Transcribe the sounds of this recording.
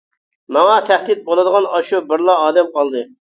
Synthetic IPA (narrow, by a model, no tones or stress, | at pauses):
mɑŋɑt̪ʰæhd̪ɪt̪̚bolˠɨd̪əʁɑnɑʃubɪɾlˠɑːd̪ɛmqʰɑlˠd̪ɨ